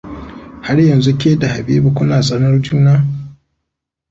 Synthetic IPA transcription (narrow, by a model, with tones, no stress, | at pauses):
ha˦ɽjɐ˨nzu˦kʲeː˦da˨ha˨biː˦bu˦kʷʊ˦naː˨zɐ˦nɐ˦ɾd͡ʒuː˦naː˦